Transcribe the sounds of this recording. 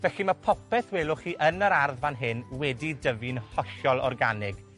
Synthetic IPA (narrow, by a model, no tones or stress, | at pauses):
vɛɬimapʰɔpʰɛθweːlˠʊχiːʔənəɾarðvanɦɪnwɛdidəvinhɔɬɔlˠɔ̰rɡanɪɡ